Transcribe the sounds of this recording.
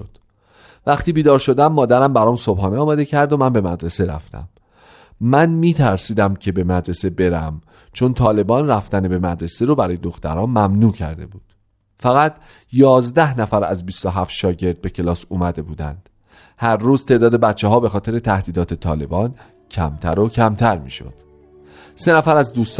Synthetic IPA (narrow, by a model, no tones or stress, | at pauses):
d̪̥ | væχt̪iːbiːd̪ɒːɾʃo̞d̪æmːɒːd̪æɾæmbæɾɒːmso̞b̥hɒːneɒːmæd̪e̞cʰæɾd̪omænbe̞mæd̪ɾe̞seɾæ̰ft̪æ̰mː | ænmiːt̪ʰæɾsiːd̪æmcʰe̞be̞mæd̪ɾe̞se̞be̞ɾæm | t͡ʃʰo̞nt̪ʰɒːle̞bɒːnræft̪ænebe̞mæd̪ɾe̞seɾobæɾɒːjed̪oxt̪æ̰ɾɒːnmæmnuːcʰæ̰ɾd̪e̞̰buːd̪̥ | fæɣæt̪ʰ | jɒːzd̪æhnæfæɾæ̰zbiːst̪o̞ɦæft̪ʃɒːɟe̞ɾd̪̚be̞cʰe̞lɒːsuːmæd̪e̞buːd̪æ̰nd̪̥ | hæɾːuːzt̪ʰeʔd̪ɒːd̪e̞bæt̪t͡ʃʰːeɦɒːbe̞xɒːt̪ʰe̞ɾe̞t̪ʰæhd̪iːd̪ɒːt̪ʰe̞t̪ʰɒːle̞̰bɒːn | cʰæ̰mt̪ʰæɾo̞cʰæmt̪ʰæɾmḭːʃo̰d̪̥ | se̞næfæɾæzd̪uːst̪